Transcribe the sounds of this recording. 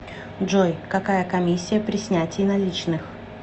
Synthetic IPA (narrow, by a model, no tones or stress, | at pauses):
dʐojkɐkajəkɐmʲisʲːɪjəpɾʲɪsʲnʲætʲɪjnɐlʲit͡ɕnɨx